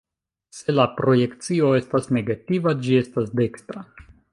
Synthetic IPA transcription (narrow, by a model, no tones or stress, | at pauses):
se̞lapɾo̞je̞kt͡sio̞e̞stasne̞ɡativad͡ʒie̞stasde̞kstɾa